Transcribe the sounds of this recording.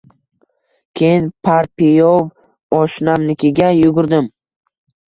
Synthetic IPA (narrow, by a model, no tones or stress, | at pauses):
kʲʰejɪnpʰaɾpijov | ɒʃnamnɪkʲɪɡʲajʊɡʊɾd̪ɪm